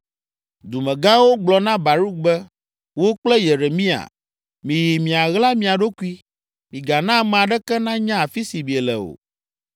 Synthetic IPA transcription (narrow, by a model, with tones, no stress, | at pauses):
d̪u˨mɛ̃˨ɡã˦wo˦ɡ͡blɔ˨nã˦ba˨ɾu˦k̚bɛ˦ | wo˦k͡plɛ˦je˨ɾe˨mĩ˦a̰˨ | mĩ˨ji˨mĩ˨a˨ɣla˦mĩ˨a˨ɖo˦ku˦i˦ | mĩ˨ɡa˨nã˦m˨a˨ɖɛ˦kɛ˦nã˦ɲã˦a˨fi˦si˨bi˨e˨lɛ̰˨o̰˨